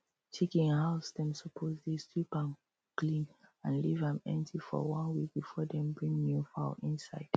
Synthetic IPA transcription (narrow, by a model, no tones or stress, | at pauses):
tʰekĩŋhaʊsdɛ̃msɔpʰozdestwipãn | klĩnãnlivãmɛ̰̃ntʰifɔ̰wʌ̃nwik̚b̥ifɔdɛ̃mbɹĩŋmufa̰ʔĩnsaɪd̥